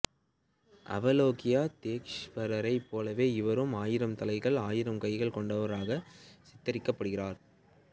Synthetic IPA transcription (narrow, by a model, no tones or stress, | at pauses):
ʔɐ̰ʋɐloːkɪjaːt̪eːkʂpɐɾɐɾɐɪpːoːlɐʋeːɪʋɐɾɯmaːjɪɾɐmt̪ɐlɐɪɣɐɭaːjɪɾɐmkɐɪɣɐɭkɔɳɖɐʋɐɾaːɣɐsɪt̪ːɐɾɪkːɐpːɐɽɯɣɪraːɾ